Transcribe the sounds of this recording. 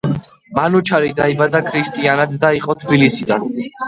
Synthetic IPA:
manut͡ʃʰaɾid̪aibad̪akʰɾist̪ʼianad̪ːaiqʼɔt̪ʰbilisid̪an

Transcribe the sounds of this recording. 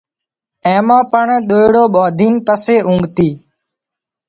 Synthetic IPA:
ẽːmãːpəɳɗ̪oːɪɽoːɓoːd̪ʱiːnpəseːʔũːŋɡt̪iː

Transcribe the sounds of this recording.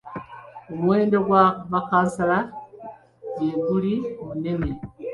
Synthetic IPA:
omwe̞ːndoɡwaβakasala | jeβulimune̞ne

